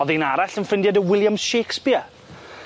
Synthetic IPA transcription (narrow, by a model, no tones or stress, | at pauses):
ɔðinaɾaɬənfɪndjadəwɪlˠjamʃeːkspɪa